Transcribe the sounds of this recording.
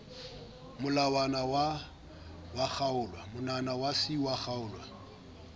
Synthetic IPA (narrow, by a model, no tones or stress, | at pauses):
mʊlawanawa | waχaʊːlwamʊnanawasɪwaχaʊːlwa